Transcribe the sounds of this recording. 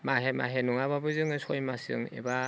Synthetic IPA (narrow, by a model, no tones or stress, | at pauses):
maɦema̰ɦenuŋababɯzɯŋɯsɔjmasɯ̰ŋḛba